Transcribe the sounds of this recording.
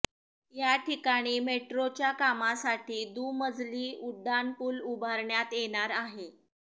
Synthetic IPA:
jaʈʰikaɽ̃iːmeʈɾot͡ɕjakamasaʈʰiːd̪uːməd͡zliːuɖʱːanpuːlubʱaɾɳjat̪jeɽ̃aɾaɦe

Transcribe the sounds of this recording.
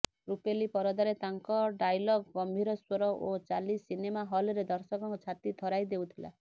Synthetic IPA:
ɾupelipɔɾɔd̪aɾet̪aŋkɔɖajlɔɡɡɔmbʱiɾɔswɔɾɔʔot͡ʃalisinemaɦɔlɾed̪ɔɾsɔkɔŋkɔt͡ʃʰat̪it̪ʰɔɾajd̪eut̪ʰila̰

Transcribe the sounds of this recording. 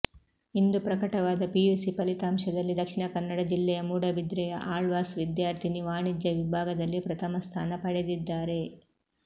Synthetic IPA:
ind̪upɾɐkɐʈɐʋaːd̪ɐpijuːsipɐlit̪aːmʃɐd̪ɐlːid̪ɐkʂiɳɐkɐnːɐɽɐd͡ʒilːɛjɐmuːɽɐbid̪ɾɛjɐ̰ʔaːɭʋaːsʋid̪jaːɾt̪ʰiniʋaːɳid͡ʒɐʋibʱaːɡɐd̪ɐlːipɾɐt̪ʰɐmɐst̪ʰaːnɐpɐɽed̪id̪ːaːɾe̞

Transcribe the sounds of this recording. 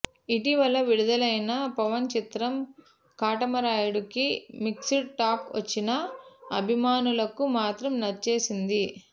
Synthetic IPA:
iʈiʋɐlɐʋiɽud̪ɐlɐjnɐpɐʋɐnt͡ʃit̪ɾɐm | kaːʈɐmɐɾaːjuɽukimiksiʈːaːkʋɐ̰t͡ʃːinɐɐbʱimaːnulɐkumaːt̪ɾɐmnɐt͡ʃe̞ːsind̪i

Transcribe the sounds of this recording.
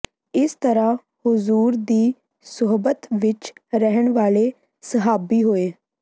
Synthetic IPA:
ɪst̪əɾaː | hʊzuːɾd̪iː | sʊɦbət̪ʋɪt͡ʃɾəɦəɳʋaːleː | səɦaːbiːɦoːeː

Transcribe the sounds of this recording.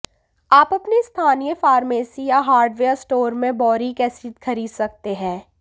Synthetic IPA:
aːpɐpnest̪ʰaːnijəfaːɾmeːsijaɦaːɾɖʋeːəɾsʈoːɾmẽbɔːɾikɛːsiːd̪xʰɐɾiːd̪sɐk̚t̪eɦɛ̃ː

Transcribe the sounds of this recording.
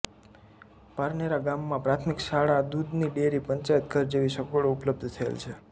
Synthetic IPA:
paɾneɾaɡamːãpɾat̪ʰmikʃaɽad̪ud̪niɖeɾipəɲt͡ʃaət̪̚ɡəɾd͡ʒeʋiʃəkoɭoupləb̚d̪ʱt̪ʰəḛlt͡ʃʰe

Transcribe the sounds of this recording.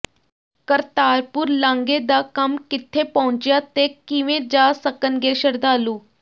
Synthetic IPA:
kəɾt̪aːɾpʊɾlãːŋɡeːd̪aːkəmkɪt̪ʰːeːpɔɦʊɲt͡ʃjaːt̪eːkɪʋẽːd͡ʒaːsəkənɡeːʃəɾd̪aːluː

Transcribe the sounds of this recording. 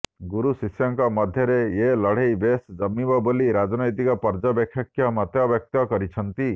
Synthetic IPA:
ɡuɾusisjɔŋkɔmɔd̪ʱjɔɾeelɔɽ̤ejbesd͡ʒʌmːibɔboliɾad͡ʒɔnɔjt̪ikɔpɔɾd͡ʒɔbjɔkʰjɔkʰːjɔmɔt̪jɔbjɔk̚t̪ɔkɔɾit͡ʃʰʌnt̪i

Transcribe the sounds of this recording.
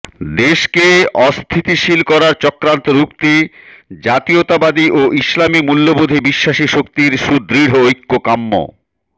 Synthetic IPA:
d̪eʃkeɔst̪ʰit̪iʃilkɔɾaɾt͡ɕɔkɾant̪oɾukt̪ed͡ʑat̪iot̪abad̪iʔoʔislamimulːobod̪ʱebiʃːaʃiʃok̚t̪iɾʃud̪ɾiɽɦoojkːokamːo̰

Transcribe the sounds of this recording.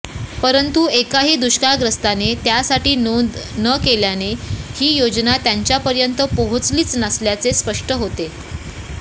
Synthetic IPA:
pəɾənt̪uekaɦiːd̪uɕkaɡɾəst̪anet̪jasaʈiːnd̪nəkeljanehiːjod͡znat̪jaɲt͡ɕjapəɾjənt̪əpoɦot͡sliːt͡snasljat͡sespəʂʈəɦot̪e

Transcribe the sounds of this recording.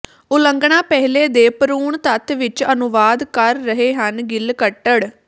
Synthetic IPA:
ʊləŋɡɳãːpɛɦleːd̪eːpəɾuːɳt̪ət̪ʰʋɪt͡ʃənʊʋaːd̪kəɾːəɦeːɦənɡɪlkəʈːəɽ

